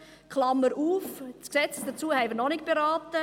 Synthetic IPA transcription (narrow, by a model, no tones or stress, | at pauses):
kχlɑmːəɾʔuːfsksɛt͡sd̥̪ət͡suəhɛɪvəɾnɔnɪk̚b̥eɾɑːtə